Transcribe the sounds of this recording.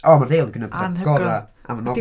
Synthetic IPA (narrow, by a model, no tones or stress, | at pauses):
ɔːmarðeːlˠɡənəbʰθaɡɔaa̰manɔ